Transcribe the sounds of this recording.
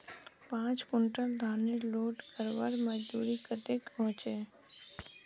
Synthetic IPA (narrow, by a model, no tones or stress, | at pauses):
pãːt͡ʃkʊɳʈəɾd̪ʱaːneloːʈkəɾʋaɾməd͡ʒd̪uːɾikət̪ekpɔ̃ɦːt͡ʃe